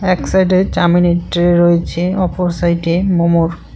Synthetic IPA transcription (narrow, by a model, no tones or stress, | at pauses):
ɛksajʈet͡ɕamineʈɾeɾojet͡ɕʰeɔpoɾsajʈemomoɾ